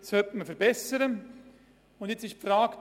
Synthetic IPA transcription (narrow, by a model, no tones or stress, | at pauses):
shœtməfɛɾbɛsəɾə | ʊndjɛt͡sɪʃpfɾaːkt